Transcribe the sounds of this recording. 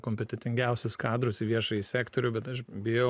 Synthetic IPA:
koːmʲpʲɛt̪ʲɛt̪ʲɪŋʲɡʲɛˑʊsʲʊskɑːd̪ɾʊsɪʋʲiɛʃɐjisʲæːkt̪oɾʲʊbʲɛt̪ɐʃbʲɪjɛʊ

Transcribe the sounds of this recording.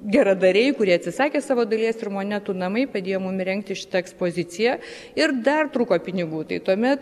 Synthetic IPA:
ɡʲɛɾɐd̪ɐɾʲɛɪkʊɾʲiɛɐt̪ʲsʲɪsɑːkʲeːsɑːʋoːd̪ɐlʲiɛsɪrmoːnʲɛt̪uːnɐmɐɪpɐd̪ʲeːjoːmʊmɾʲɛŋk̚t̪ʲɪʃʲɪ̥t̪ɐɛkspoːzʲɪt͡s̪ʲɪjɛ | ɪɾd̪ɐrt̪ɾuːkoːpʲɪnʲɪɡuːt̪ɐɪt̪uɔmʲɛt̪

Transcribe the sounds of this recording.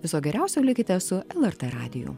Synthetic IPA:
ʋʲɪsoːɡʲɛɾʲɛˑʊsʲɛlʲɪkʲɪt̪ʲɛsʊɛlˠɛɾt̪ɛɾɑ̰ːd̪ʲɪjʊ̰ː

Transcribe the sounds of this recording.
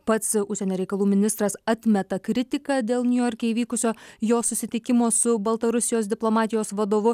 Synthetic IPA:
pɐt̪sʊʃʲsʲɛnʲoːɾʲɛɪkɐlˠuːmʲɪnʲɪst̪ɾɐsɑt̪ʲmʲɛt̪ɐkɾʲɪt̪ʲɪkɑd̪ʲeːlˠnʲʊjɔɾʲkʲeiːʋʲiːkʊsʲoːjoːsʊsʲɪt̪ʲɪkʲɪmoːsʊbɐlˠt̪ɐɾʊsʲɪjoːsd̪ʲɪplˠomɑːt̪ʲɪjoːsʋɐd̪oːʋʊ

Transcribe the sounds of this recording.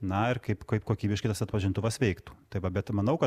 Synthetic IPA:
nɐɪrkɐɪpkɐɪpkoːkʲiːbʲɪʃkɐɪt̪ɐsɐt̪pɐʒʲɪnt̪ʊʋɐsʋʲɛɪkt̪u̥ːt̪ɐɪʋɐbʲɛt̪mɐnɐʊkɐ

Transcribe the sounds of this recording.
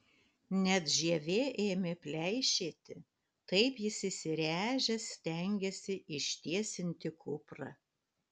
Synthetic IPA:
nʲɛt̪ʒʲiɛʋʲeːʔeːmʲɪpʲlʲɛɪʃʲeːt̪ʲɪ | t̪ɐɪpjɪsɪsʲɪɾʲæːʒʲɛsʲt̪ʲɛŋʲɡʲɛsʲɪʔɪʃʲt̪ʲiɛsʲɪnʲt̪ʲɪkʊpɾɐ̰

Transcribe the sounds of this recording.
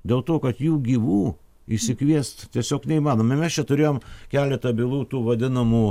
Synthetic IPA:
d̪ʲeːlˠt̪oːkɐt̪juːɡʲiːʋuː | ɪʃʲsʲɪkʋʲiɛst̪t̪ʲiɛsʲoːknʲɛɪimɑːnoːmɪmʲɛst͡ʃʲɛt̪ʊɾʲeːjoːmkʲæːlʲɛt̪ɐbʲɪlˠuːt̪uːʋɐd̪ʲɪnɐmuː

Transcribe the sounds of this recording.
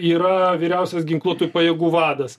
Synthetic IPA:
iːɾɐʋʲiːɾʲɛʊsʲɛsɡʲɪŋklˠuɔt̪ujpɐjɛːɡuːʋɑːd̪ɐs

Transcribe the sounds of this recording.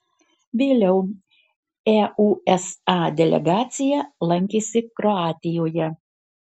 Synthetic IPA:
ʋʲeːlʲɛʊ | ɛʔuːɛsɑːd̪ʲɛlʲɛ̰ɡɑːt̪sʲɪjɛlˠɐŋʲkʲeːsʲɪkɾɔɑːt̪ʲɪjoːjɛ

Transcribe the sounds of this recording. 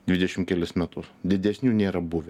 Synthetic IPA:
d̪ʲʋʲɪd̪ʲɛʃʲɪmkʲɛlʲɪsmʲɛt̪ʊsd̪ʲɪd̪ʲɛsʲnʲuːnʲeːɾɐbʊʋʲɛ

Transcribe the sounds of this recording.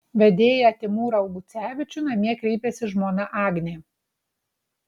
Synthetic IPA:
ʋʲɛd̪ʲeːjɛɐt̪ʲɪmuːɾɐʊɡʊt̪sʲæːʋʲɪt͡ʃʲʊnɐmʲiɛkɾʲɛɪpʲɛsʲɪʒmoːnɐʔɑːɡnʲeː

